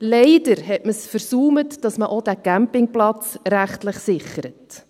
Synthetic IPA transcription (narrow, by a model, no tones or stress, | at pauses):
lɛɪd̥əɾhɛtməsfəɾsuːmətd̥ɑsməʔod̥æɡ̥æmpɪŋplɑt͡sɾæχtləχsɪχəɾət